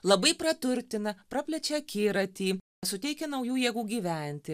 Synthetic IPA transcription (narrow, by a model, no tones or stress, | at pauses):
lˠɐbɐɪpɾɐt̪ʊɾʲt̪ʲɪnɐpɾɐpʲlʲɛt͡ʃʲɛɐkʲiːɾɐt̪ʲiː | sʊt̪ʲɛɪkʲɪnɐʊjuːjiɡuːɡʲiːʋʲɛˑnʲt̪ʲɪ